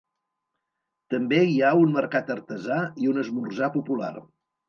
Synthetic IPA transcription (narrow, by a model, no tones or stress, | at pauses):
t̪əmbeiaunməɾkat̪ərt̪əzaiunəzmurzapupula̰r